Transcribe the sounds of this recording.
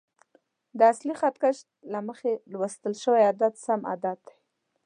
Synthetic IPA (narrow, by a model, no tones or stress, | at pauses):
d̪əaslixat̪kaʃ | laməxelwəst̪əlʃəwajad̪at̪sama̰d̪at̪̚d̪aj